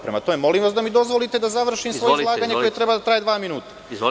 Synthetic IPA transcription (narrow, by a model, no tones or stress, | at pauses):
pɾema̰t̪o̞me̞mo̞limʋasd̪amid̪o̞zʋo̞lit̪e̞d̪azaʋr̩ʃimsʋo̞jeslˠaːɡaɲeko̞jet̪ɾe̞bad̪at̪ɾaːje̞d̪ʋaːminuːt̪ḁ